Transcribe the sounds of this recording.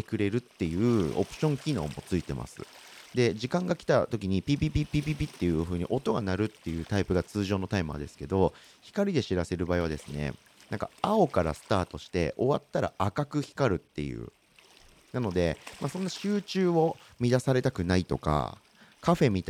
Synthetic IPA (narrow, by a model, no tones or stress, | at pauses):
t̪ekɯ̟ɾe̞ɾɯ̟t̪ːe̞jɯ̟ːo̞̰pɯ̟̥ɕõ̞ŋkʲino̞̰ːmo̞t͡sɨit̪e̞̰ma̰sɨ̰ | d̪e̞d͡ʑikãŋɡakʲi̥t̪at̪o̞kʲiɲ̟ipʲibʲibʲipʲbibʲit̪ːe̞jɯ̟ɸɯ̟ːɲ̟iʔo̞t̪o̞ɡanaɾɯ̟t̪ːe̞jɯ̟ːt̪aipɯ̟ɡat͡sɨːʑo̞ːno̞t̪aimɯa̰d̪e̞sɨ̥ke̞d̪o̞çi̥kaɾʲid̪e̞ɕiɾase̞ɾɯ̟baːiβad̪e̞sɨne̞̰ | nãŋka̰ao̞kaɾa̰sɨ̥t̪aːt̪o̞ɕi̥t̪e̞̰ʔo̞βat̪ːaɾa̰ʔakakɯ̟çi̥kaɾɯ̟t̪ːe̞̰jɯ̟̰ː | nano̞d̪e̞masõ̞nːaɕɨːt͡ɕɨːo̞mʲid̪asaɾe̞t̪akɯ̟nait̪o̞ka̰ | kaɸe̞mʲit̪